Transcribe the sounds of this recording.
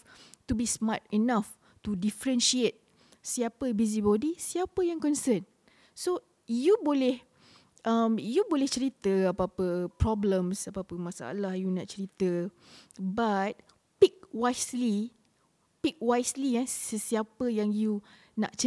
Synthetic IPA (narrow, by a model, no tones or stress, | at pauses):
tubismatinaf | tudifəɾɛ̃nʃiet̪̚ | siapəbizibɔdisiapəjãŋkɔnsən | so | jubolɛh | ʔamjubolɛht͡ʃəɾit̪əapapəpɹɔblə̃msapapəmãsa̰ʔa̰lahjunaʔ̚t͡ʃəɾit̪ə | bat̪̚ | pik̚wajsli | pik̚wajsliasəsiapəjãŋju | na̰ʔt͡ʃə